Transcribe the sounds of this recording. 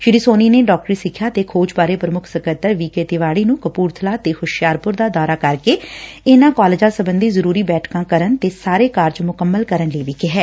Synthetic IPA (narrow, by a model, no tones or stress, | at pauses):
ʃɪɽiːsoːniːneːɖɔːk̚ʈɾiːsɪkʰːjaːt̪eːkʰoːd͡ʒbaːɾeːpɾəmʊkʰsəkət̪əɾʋiːkeːt̪ɪʋaːɽiːnũːkəpuːɾt̪ʰəlaːt̪eːxʊʃjaːɾpʊɾd̪aːd̪aːɾaːkəɾkeːenãːkaːlɪd͡ʒãːsəbənd̪iːzəɾuːɾiːbɛːʈʰkãːkəɾənt̪eːsaːɾeːkaːɾd͡ʒmʊkəmːəlkəɾənləːʋiːkɪɦɛː